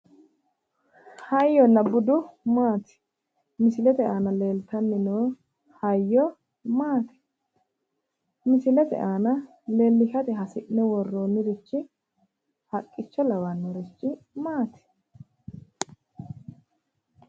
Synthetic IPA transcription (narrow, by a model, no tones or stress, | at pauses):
hɐjːɔnːɐbʊd̪ʊmaːt̪ɪ̥ | mɪsɪlɛt̪ɛʔaːnɐle̞ːlt̪ɐnːɪnoː | hɐjːɔ | maːt̪ɛ̥ | mɪsɪlɛt̪ɛ̰ʔaːnɐ | le̞ːlːɪʃɐt̪ɛɦɐsɪʔnɛwɔrːoːnːɪɾɪt͡ʃːɪ | hɐkʼːɪt͡ʃːɔlɐwanːɔɾɪt͡ʃːɪmaːt̪ɪ̥